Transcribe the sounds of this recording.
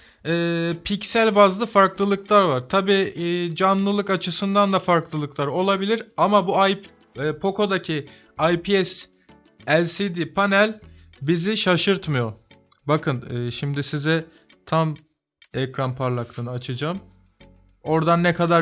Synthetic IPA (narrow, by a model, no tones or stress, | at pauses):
ɛːpʰicsælʲvazlˠɯfaɾklˠɯlˠɯklˠaɾvaɾ̥t̪ʰabiːd͡ʒanlˠɯlˠɯkat͡ʃʰɯsɯnd̪and̪afaɾklˠɯlˠɯklˠaɾo̞lˠabilʲiɾamabuaj | ɛːpʰo̞kʰo̞d̪acʰi | ajpʰiɛs | ælʲsid̪ipʰanælʲ | biziʃaʃɯɾt̪mɯjo̞bakʰɯnɛːʃimd̪isizɛ | t̪ʰam | ɛcɾanpʰaɾlˠaklˠɯnɯat͡ʃʰad͡ʒaːm | o̞ɾd̪anːɛkad̪aɾ